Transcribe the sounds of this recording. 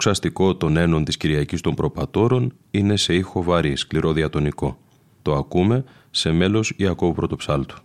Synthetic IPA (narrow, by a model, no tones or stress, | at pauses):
oksɐst̪iko̞t̪o̞ne̞no̞nt̪isciɾʝɐcist̪o̞mpɾo̞pɐt̪o̞ɾo̞n | ine̞se̞ixo̞vɐɾieskliɾo̞ðiɐt̪o̞niko̞ | t̪o̞ɐkume̞ | se̞me̞lo̞siɐko̞upɾo̞t̪o̞psɐlt̪u̥